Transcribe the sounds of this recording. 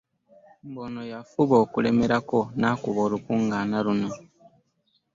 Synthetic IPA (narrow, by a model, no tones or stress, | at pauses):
mbo̞no̞jafuβo̞ːkule̞me̞ɾako̞naːkuβo̞ːlukuːŋɡaːnaluno̞